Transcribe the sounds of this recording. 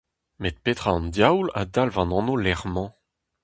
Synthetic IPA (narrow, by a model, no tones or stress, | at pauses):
met̪̚pet̪χʁaɑ̃nd̪jawla̰d̪alvɑ̃nɑ̃nolɛʁmɑ̃